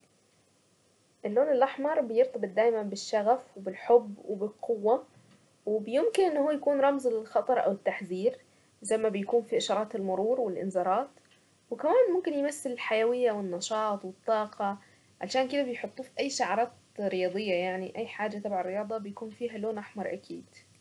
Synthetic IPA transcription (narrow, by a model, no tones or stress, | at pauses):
ʔɪlːoːnɪlʔaħmɑɾˤbɪjɪɾt̪ɑb̪d̪aːjmanbɪʃːaɣafwɪbɪlħʊbːwɪbɪlqʊwːa | wɪbɪjɪmkɪnʔɪnːahuːjakuːnɾˤɑmzɪlxɑt̪ˤɑɾˤʔa̰wɪt̪ːaħziːɾ | zajmabɪjakuːnfiʔɪʃɑɾˤɑːt̪ɪlmʊɾuːɾwɪlʔɪ̰nzɑːɾˤɑːt̪ | wɪkamaːnmʊmkɪnjmasːɪlɪlħajawɪjːawɪnːɑʃɑːt̪ˤwɪt̪ˤːɑːqɑ | ʕa̰lʃaːnkɪd̪abɪjħʊt̪ˤːuːfiʔajːʃaʕɾˤɑːt̪ | ɾɪjɑːd̪ˤɨjːajaʕniʔajːħaːd͡ʒat̪ˤɑbʕarːɪjɑːd̪ˤɑbɪjakuːnfiːɦaloːnʔaħmɑɾˤʔa̰kʰḭːd̪̥